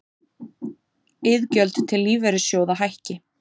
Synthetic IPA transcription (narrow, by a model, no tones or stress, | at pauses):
ɪðcœlt̪t̪ʰːɪlːiːvɛɾɪsjoːwðaɦajhcɪ